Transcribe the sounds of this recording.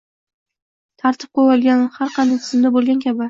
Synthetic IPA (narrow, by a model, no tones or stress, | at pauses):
t̪ʰaɾt̪ʰɪp̚qojɒlˠɡʲanhaɾqʰɑnd̪ajt̪ʰʊzɪmd̪abolˠɡʲankʲʰaba